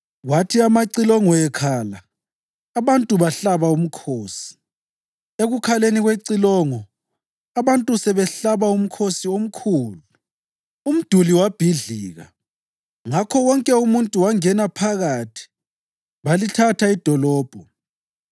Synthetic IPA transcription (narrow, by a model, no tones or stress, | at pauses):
ɣwatʰiamaǀilɔŋɔɛkʰaːlaː | βantʼuβaɬaβaum̩kʰoːsi̥ | eɣukʰaleniɣweǀilɔŋɔ | aβantʼusɛβɛɬaβaum̩kʰosiom̩kʰuːlu | um̩d̥ʱuliwab̥ʱiɮiːɣa̰ | ŋakʰɔwɔŋkʼɛumuntʼuwaŋɛnapʰaɣatʰi̥ | βalitʰatʰaid̥ʱɔlɔːb̥ʱɔ